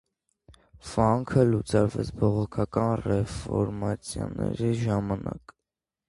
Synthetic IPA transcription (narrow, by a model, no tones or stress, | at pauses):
fɑŋkʰəlut͡sɑɾvɛt͡sʰbɔʁɔkʰɑkɑnrɛfɔɾmɑt͡sʰjɑnɛɾiʒɑmɑnɑk